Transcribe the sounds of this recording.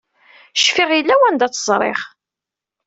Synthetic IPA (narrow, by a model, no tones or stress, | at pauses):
ʃfiʁjəlːæwænd̪æt͡sːəzˤɾˤḛχ